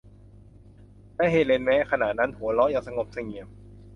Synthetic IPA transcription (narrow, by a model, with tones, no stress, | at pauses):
lɛː˦˥ɦeː˨˧˩le˧nmɛː˦˥kʰa˧naː˨˩t̪̚na˦˥nhu˨˩˦lɔː˦˥jaː˨˩ŋsa˧ŋo˨˩p̚sa˧˩ŋi˨˩əm